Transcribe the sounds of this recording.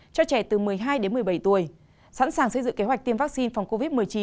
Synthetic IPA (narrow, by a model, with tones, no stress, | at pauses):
t͡ɕɔ˧t͡ɕɛ˧˩t̪ɨ˨˩mɨ˨˩əjɦaː˧jɗe˨˦nmɨ˨˩əjɓə˧˩jt̪u˨˩əj | sa̰ː˧˥nsaː˨˩ŋsə˧jzɨ̰˧˨ŋke˨˦wk̟̚t̪əmvaː˦˥k̚si˧nfwŋ͡mko˧vi˦˥t̚m˨əjt͡ɕi˨˦